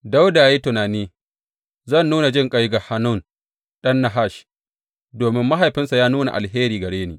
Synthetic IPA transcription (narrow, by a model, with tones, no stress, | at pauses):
da˦wda˨jeː˦tʊ˨naː˨niː˦ | zɐ˦˨nːuː˦na˨d͡ʒɪ˦ŋkʼa˦jɡa˨ha˦nʊ˦˨n | ɗɐ˦nːa˨ɦa˦˨ʃ | doː˨mɪ˦mːa˦ɦa˨jɸɪ˦nsa˨jaː˦nuː˦na̰˨ʔa̰˨lɦeː˦ɾiː˨ɡɐ˨ɽeː˦niː˨